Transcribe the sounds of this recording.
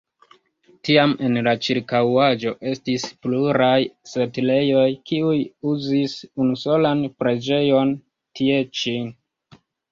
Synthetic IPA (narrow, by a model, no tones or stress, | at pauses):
tiame̞nlat͡ʃiɾkawad͡ʒo̞ʔe̞stispluɾajsetile̞jo̞jkiujuzisunuso̞lanpɾe̞d͡ʒe̞jo̞n | tʰie̞t͡ʃin